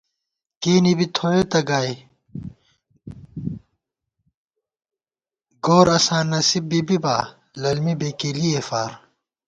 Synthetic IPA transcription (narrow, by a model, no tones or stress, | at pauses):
keːnibit̪ʰoːet̪ɐɡaːe | ɡoːɾɐsãːnːɐsib̚ːibibaː | lɐlmibeːkeliefaːɾ